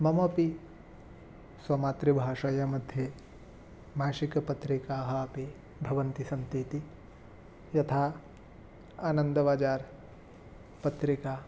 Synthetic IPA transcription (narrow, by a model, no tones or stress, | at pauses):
mɐmɐpi | swɐmaːt̪ɾibʱaːʃɐjɐmɐd̪ʱje | maːʃikɐpɐt̪ɾikaːɦɐːpi | bʱɐʋɐnt̪isɐnt̪it̪i | jɐt̪ʰaː | aːnɐ̃nd̪ɐʋaːd͡ʒaːɾ | pɐt̪ɾikaː